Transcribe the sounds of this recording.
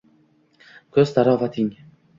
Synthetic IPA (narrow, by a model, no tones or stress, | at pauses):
kʲʰɵzd̪aɾɒːvat̪ʰɪŋ